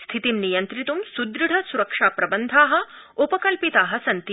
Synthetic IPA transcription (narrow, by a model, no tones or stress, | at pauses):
st̪ʰit̪imnijɐnt̪ɾit̪umsud̪ɾiɽʱɐsuɾɐkʂaːpɾɐbɐnd̪ʱaːɦɐ̆ | upɐkɐlpit̪aːɦɐsɐnt̪i